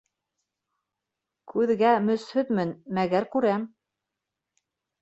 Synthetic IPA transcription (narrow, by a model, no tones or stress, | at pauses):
kʉðɡæmɵ̆shɵt̪mɘnmæɡæɾkʉɾæm